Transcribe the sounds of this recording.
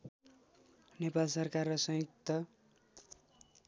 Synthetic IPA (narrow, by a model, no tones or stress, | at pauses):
nepalsʌrkarːʌsʌ̃ɦik̚t̪ːʌ